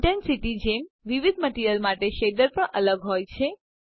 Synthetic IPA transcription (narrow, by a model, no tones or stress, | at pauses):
ʈənsiʈid͡ʒemʋiʋid̪̚ʱməʈiɾjəlmaʈeʃed̪əɾpəɳʔələɡɦojt͡ʃʰe